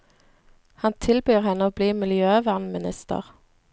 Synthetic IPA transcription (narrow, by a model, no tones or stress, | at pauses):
hɑnt̪ʰɪlbyːʁhɛnəoːbliːmɪljøːʋæːʁnmɪnɪst̪ə̰ʁ